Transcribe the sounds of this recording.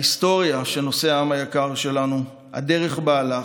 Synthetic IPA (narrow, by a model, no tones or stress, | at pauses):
ist̪o̞ʁjaʃe̞no̞seaamajakaʁʃe̞lanu | ha̰de̞ʁe̞χbaːla